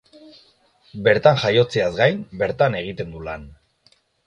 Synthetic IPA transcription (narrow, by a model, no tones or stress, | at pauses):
be̞ɾt̪anʝajo̞t͡se̞azɡajmbe̞ɾt̪ane̞ɣ̞it̪e̞nd̪ulan